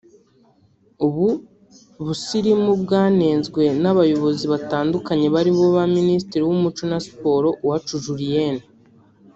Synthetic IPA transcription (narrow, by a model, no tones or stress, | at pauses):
uβu | βusiɾimubɡaːneːnzɡwe̞naβajo̞βo̞ziβataːndukaɲe̞βaɾiβo̞βaministiɾiwumut͡ʃonasi̥po̞ɾo̞wat͡ʃuʒuɾijeni